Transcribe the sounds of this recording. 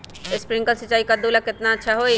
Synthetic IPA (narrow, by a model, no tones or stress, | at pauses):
ɪspɾɪ̃ŋkasɪt͡ʃːaːikad̪uːlakɪt̪naətːʃʰaɦoːi